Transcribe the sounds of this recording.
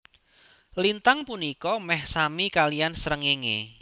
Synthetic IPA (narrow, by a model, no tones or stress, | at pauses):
lint̪aŋpunikɔmɛhsamikalijansəɾəŋeŋḛ